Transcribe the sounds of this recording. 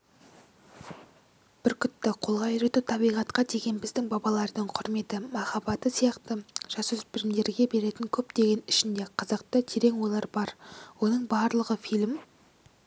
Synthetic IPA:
b̥ɪɾkʲʰʏt̪ːɪqʰo̞lˠʁɑjʏɾe̞t̪ut̪ʰɑbijʁɑt̪qɑd̪e̞ɡʲe̞nbɪzd̪ɪŋbɑbɑlˠɑɾd̪əɴqʰʊɾme̞t̪ɪmɑχɑbɑt̪əsijɑqt̪əʒ̥ɑsɵspɪɾɪmd̪e̞ɾɡʲe̞be̞ɾe̞t̪ɪŋkʲʰɵpd̪̥e̞ɡʲe̞nɪʃɪnd̪e̞qʰɑzəq̚t̪ət̪ʰeɾe̞ŋwo̞lˠɑɾbɑɾwo̞nəɴbɑɾlˠəʁəfijlʲɪm

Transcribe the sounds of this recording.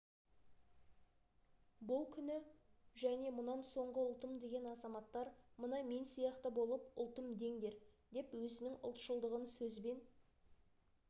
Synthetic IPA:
bʊlˠkʲʰʏnɪʒæne̞mʊnɑnso̞ɴʁəʊlˠt̪əmd̪e̞ɡʲe̞nɑzɑmɑt̪ːɑɾmənɑme̞nsijɑqt̪əbo̞lˠəpʊlˠt̪əmd̪e̞ŋd̪e̞ɾd̪e̞pwɵzɪnɪŋʊ̰lˠt̪ʃəlˠd̪əʁənsɵzbe̞n

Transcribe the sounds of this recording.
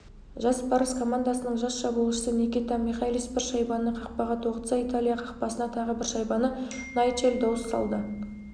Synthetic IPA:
ʒɑspʰɑɾəskʰo̞mand̪asənəɴʒɑsʃɑbulˠəʃəsənekʲit̪ɑmiχajlʲispɪɾʃɑjbɑnəqʰɑq̚pɑʁɑt̪woqt̪sɑit̪alʲijɑqʰɑqpɑsənɑt̪ʰɑʁəbɪɾʃɑjbɑnənɑjt͡ʃeld̪ɑwəst̪ɑ̰lˠd̪ə

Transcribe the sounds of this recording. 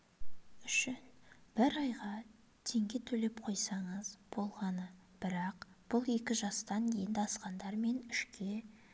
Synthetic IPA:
ʏʃɪnb̥ɪɾɑjʁɑ | t̪ʰe̞ŋɡʲe̞t̪ʰɵle̞pqʰo̞jsɑɴəzb̥o̞lˠʁɑnəb̥ɪɾɑqb̥ʊlˠe̞kʲɪʒɑst̪ɑŋkʲʰejɪnd̪ɑsqɑnd̪ɑɾme̞nɪʃkʲe̞

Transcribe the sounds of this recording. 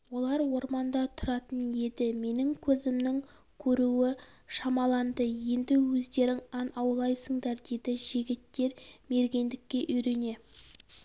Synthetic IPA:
wo̞lˠɑɾwo̞ɾmɑnd̪ɑt̪ʰʊɾɑt̪ənje̞d̪ɪme̞nɪŋkʲʰɵzɪmnɪŋ | kʲʰɵɾuɪʃɑmɑlˠɑnd̪əje̞nd̪ɪwɵzd̪e̞ɾɪŋɑnɑwlˠɑjsəɴd̪ɑɾd̪e̞d̪ɪʒ̥ɪɡʲɪt̪ːe̞ɾme̞ɾɡʲe̞nd̪ɪkʲːe̞ʔʏjɾe̞ne̞

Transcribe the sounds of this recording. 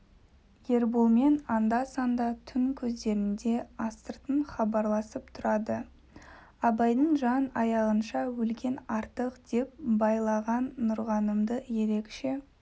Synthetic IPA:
je̞ɾbulˠme̞nɑnd̪ɑsɑnd̪ɑt̪ʰʏŋkʲʰɵzd̪e̞ɾɪnd̪e̞ɑst̪əɾt̪əɴχɑbɑɾlˠɑsəpt̪ʰʊɾɑd̪ə | ɑbɑjd̪əɴʒɑnɑjɑʁənʃɑwɵlkʲe̞nɑɾt̪əqd̪̥e̞p̚bɑjlˠɑʁɑnːʊɾʁɑnəmd̪əje̞ɾe̞kʃe

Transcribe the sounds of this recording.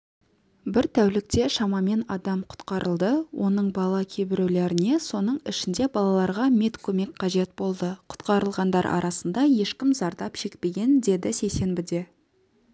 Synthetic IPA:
bɪɾt̪ʰæwlɪk̚t̪e̞ʃɑmɑme̞nɑd̪ɑmqʰʊ̥t̪qɑɾʔəlˠd̪əwʔo̞nəɴbɑlˠɑkʲʰebɪɾewle̞ɾɪne̞so̞nəɴɪʃɪnd̪e̞bɑlˠɑlˠɑɾʁɑmet̪kʲʰɵme̞kʲqʰɑʒe̞t̪bo̞lˠd̪əqʰʊ̥t̪qɑɾəlˠʁɑnd̪ɑɾʔɑ̰ɾɑsənd̪ɑje̞ʃkʲɪmzɑɾd̪ɑpʃe̞k̚pe̞ɡʲe̞nd̪e̞d̪ɪse̞jse̞nbɪd̪e̞

